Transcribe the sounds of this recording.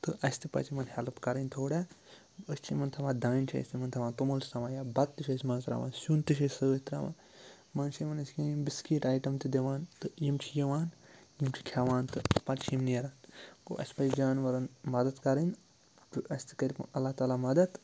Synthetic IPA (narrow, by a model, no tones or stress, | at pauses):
t̪ɨʔɐsʲt̪ʰipɐ̰t͡ʃʰimɐnhɛlɐpkɐɾɐnʲt̪ʰoːɽa | əst͡ʃʰimɐnt̪ʰɐʋaːd̪aːnʲt͡ʃʰiɐ̰sʲt̪imɐnt̪ʰɐʋaːnt̪umɐlsʰt̪ɐmaːjaːbɐt̪ːiʃʰɐsʲmɐnsɾa̰ʋa̰ːnsunt̪ɨʃ̬ɐsʲsɐɐt̪ɾa̰ːʋã̰ː | mɐnt͡ʃʰimɐnɐsʲikʲiimbiskiːʈaːjʈɐmt̪id̪eʋaːnt̪ɨjimt͡ʃʰijɐʋaːnjimt͡ʃʰi̥kʲʰaʋaːnt̪ɨpɐt̪t͡ʃʰimnjɐɾaːnko̰ʔɐ̰sʲpɐt͡ʃʰid͡ʒaːnʋɐɾɐnmɐd̪ɐt̪kɐɾɐnʲ | tɨɐsʲt̪i̥kɐɾʲipɐ̰ɐlːaht̪aːlaːmɐd̪ɐt̪